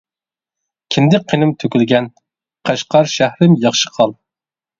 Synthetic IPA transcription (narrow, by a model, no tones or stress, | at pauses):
kʲʰimd̪ɪk̚ʲqʰenɪmt̪ʰøkʲylɡʲɛn | qʰɑʃqɑɾʃæhɾɪmjɑχʃə̥qʰɑlˠ